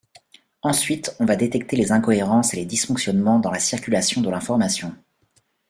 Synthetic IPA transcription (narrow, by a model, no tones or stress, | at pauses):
ɑ̃sɥit̪ɔ̃vad̪et̪ɛk̚t̪elezɛ̃kɔeʁɑ̃seled̪isfɔ̃ksjɔnmɑ̃d̪ɑ̃lasiʁkʲylasjɔ̃d̪əlɛ̃fɔʁmasjɔ̃